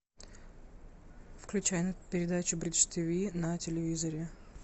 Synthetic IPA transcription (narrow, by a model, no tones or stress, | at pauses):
fklʲʉt͡ɕæjnəpʲɪɾʲɪd̪at͡ɕʊbɾʲit͡ʃt̪ʲivʲinɐtʲɪlʲɪvʲizəɾʲɪ